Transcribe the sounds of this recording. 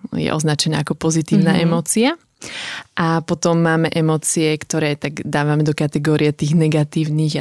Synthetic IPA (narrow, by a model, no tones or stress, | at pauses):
jɛ̰ʔɔ̰znat͡ʃɛna̰ːakɔpɔzit̪iːʊnaːʔɛmɔːt͡sia | ʔapɔt̪ɔmːaːmɛʔɛmɔːt͡siɛkt̪ɔɾɛːt̪aɡd̪aːʋamɛd̪ɔkat̪ɛɡɔːɾiɛt̪iːɣnɛɡat̪iːʊniːɣ